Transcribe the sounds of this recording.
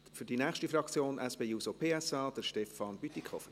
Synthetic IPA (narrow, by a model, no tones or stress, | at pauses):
fyɾdinɛːχʃtifrɑkt͡sjoːnʔɛsb̥eːjuːsopʰeːɛsɑːd̥̪əɾʃtɛfɑnb̥yt̪ikʰχɔfəɾ